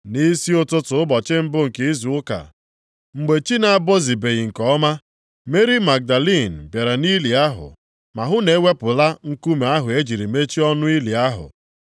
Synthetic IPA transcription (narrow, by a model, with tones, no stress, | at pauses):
ni˦si˦ʊ˦tʊ˦tʊ˨ʊ˦bɔ˨t͡ʃɪ˦m̩˦bʊ˦ŋ̩˨ke˦i˦zu˨ʊ˦ka̰˨ | ŋ͡m̩˨ɡ͡be˨t͡ʃi˦na˨a˦˨bo˦zi˨be˨ɣi˨ŋ̩˨kɔ˦ma˦ | me˦ɾi˦ma˨ɡ̚da˨li˦˨n̩˨bje˨ɾa˨ni˦li˨a˦ɦʊ̰˨ | ma˨ɦʊ˦ne˨˦we˦pʊ˨la˦ŋ̩˨ku˦me˨˦a˦ɦʊ˨e˦d͡ʒi˨ɾi˨me˦t͡ʃi˦ɔ˦nʊ˦i˦li˨a˦ɦʊ̰˨